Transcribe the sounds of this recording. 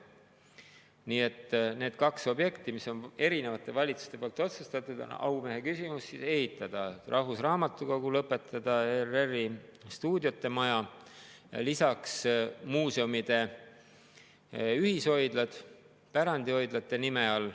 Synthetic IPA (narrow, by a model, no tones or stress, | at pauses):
niːe̞t̪ːˑne̞ːd̪̥kɑkso̞bje̞kt̪imiso̞ne̞ɾine̞vɑt̪ːˑe̞vɑlʲit̪su̥st̪e̞polt̪ːˑo̞t̪sust̪ɑt̪ːˑud̪̥o̰nɑ̰wme̞ɦekysimusːise̞hit̪ːˑɑd̪̥ɑrʔɑhvusrɑːmɑt̪ːˑuko̞ɡ̥ulɤpːˑet̪ːˑɑd̪̥ɑerːerːist̪uːd̪jot̪ːe̞mɑjɑ | lisɑksmuːseumid̪̥e̞ | yhisho̞jd̪̥lɑd̪̥ | pæɾɑnd̪iho̞jd̪̥lɑt̪ːˑe̞nime̞ɑl